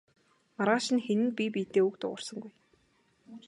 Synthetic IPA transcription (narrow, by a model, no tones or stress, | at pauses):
maɾʁaːʃɪ̆nxenɘ̆npʲipʲiːt̪eːukt̪ʊ̰ʁʊ̰̆rsə̆ŋɡuj